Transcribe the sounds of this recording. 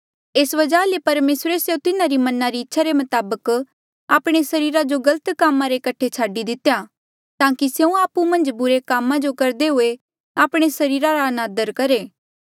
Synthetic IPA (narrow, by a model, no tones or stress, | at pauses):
eːsʋɐd͡ʒaːlepɐɾmeːsɾeseũt̪ɪnaɾimɐnaɾiɪtːʃʰaɾemɐt̪aːbək | aːpɽ̃esɐɾiːɾad͡ʒoɡɐlət̪kaːmãɾekɐʈʰet͡ʃʰaːɖid̪ɪt̪eja | t̪ãːkisjeːũaːpumɐ̃nd͡ʒbʊɾekaːmãd͡ʒokɐɾd̪eɦʊe | aːpɽ̃esɐɾiːɾaɾaɐnaːd̪əɾkɐɾeː